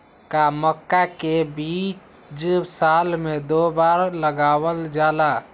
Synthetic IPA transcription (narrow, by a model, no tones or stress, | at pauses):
kaməkːakebit͡ʃ | d͡ʒsalmẽd̪obaɾləɡaːwəld͡ʒaːla